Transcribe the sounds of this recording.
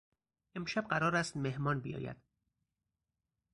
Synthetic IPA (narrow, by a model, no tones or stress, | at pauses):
ʔe̞mʃæb̚ɢæɾɒːɾæst̪mehmɒːnbijɒ̰ːjæ̰d̪̥